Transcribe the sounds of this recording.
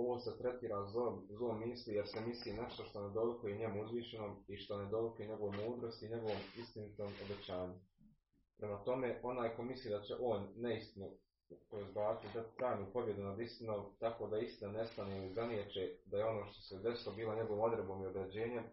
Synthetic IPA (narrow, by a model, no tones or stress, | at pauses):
oʋoːsat̪ɾe̞t̪iːɾazˠoːmːiːslijeɾsemisline̞ʃt̪oʃt̪o̞ned̪o̞ʋukojeɲe̞muuzʋiːʃe̞noːmiʃt̪o̞ned̪o̞ʋikoeɲe̞ɡo̞ʋemuːd̪ɾo̞st̪iːɲe̞ɡo̞ʋomist̪init̪oːmobe̞t͡ɕaːɲu | pɾemat̪o̞me̞ʔo̞naːjko̞mislˠiːd̪at͡ɕḛʔo̞ːnːeist̪inu | pɾoizbaːt͡s̪id̪at̪t̪ɾaːnipo̞bje̞d̪unad̪ist̪inoʋt̪akod̪aist̪inane̞st̪aneizanjet͡ʃed̪ajeo̞no̞ːʃt̪o̞̥sed̪esilo̞biːlˠo̞ɲe̞ɡoʋomo̞d̪ɾebo̞ːmio̞d̪ɾed͡ʑe̞ːɲe̞m